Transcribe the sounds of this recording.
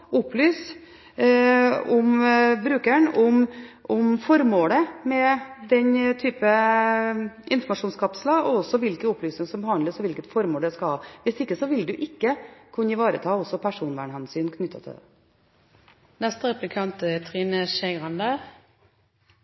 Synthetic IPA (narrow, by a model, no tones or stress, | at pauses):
ʊplyːs | ʊmbɾʉːkæɳʊmʔʊmfɔɾmoːləmɛd̪ɛɲt̪ʰyːpə | ɪnfɔɾmɑʂuːnskʰɑpsəlɑɔɔsːɔʋɪlkəʊplyːsnɪŋsɔmbəhɑnd̪əsɔʋɪlkət̪fɔɾmoːlɖ̪ɛskɑlhɑːʋɪst̪ɪkːəsɔʋɪld̪ʉʔɪkːəkʰʉnːəɪʋɑːɾə̰t̪ʰɑːɔsːɔpʰæʂuːnʋæ̰ːɳhɛnsyːnkʰnʏt̪ʰːə̰t̪ʰɪ̰d̪ɛ̰ | nɛst̪əʁɛplɪkʰɑnt̪ət̪ʰʁiːnəʃɛɪʁɑnd̪ə